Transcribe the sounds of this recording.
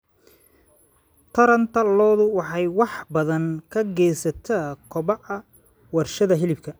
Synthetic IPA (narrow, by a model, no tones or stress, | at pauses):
t̪ʰɐɾɐnt̪ʰɐlɔːðʊwɑħɑjwɑħbɐðɐŋkʰɐɡɛːsɐt̪ʰaːkʰɔβɑʕɐ | wɑrʃɐðɐɦɪlɪbkʰɐ